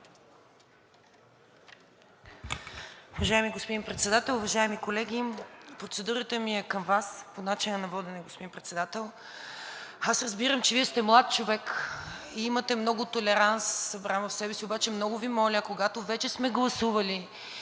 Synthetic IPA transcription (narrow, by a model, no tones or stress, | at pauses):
ʊvɐʒaɛmiɡospod̪inpɾɛt̪sɛd̪at̪ɛlˠʊvɐʒaɛmikolɛɡʲipɾot̪sɛd̪uɾət̪əmiɛkəmvasponat͡ʃinənɐvɔd̪ɛnɛɡospod̪inpɾɛt̪sɛd̪at̪ɛlˠ | asɾɐzbiɾəmt͡ʃɛviɛst̪ɛmlˠat̪̚t͡ʃovɛkiimət̪ɛmnɔɡʊt̪olɛɾansːɐbɾamvəfsɛbɛsiobat͡ʃɛmnɔɡʊvimɔlʲəkoɡat̪ovɛt͡ʃɛsmɛɡlˠɐsuvɐli